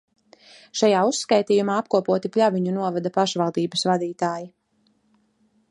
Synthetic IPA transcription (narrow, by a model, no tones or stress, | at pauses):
ʃajaːusːkajt̪iːjumaːapkuɔpuɔt̪iplʲʎʲaviɲunuɔvad̪apaʃvalˠd̪iːbəsvad̪iːt̪aːji